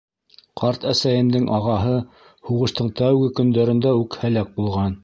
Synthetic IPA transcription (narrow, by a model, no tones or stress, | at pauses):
qʰɑɾt̪æsæjɘ̆md̪ɘŋʔɑʁɑɦɤ | huʁɤ̆ʃt̪ɤɴt̪æwɡɘkɵ̆nd̪æɾɘ̆nd̪æʉkhælæk̚bulˠʁɑn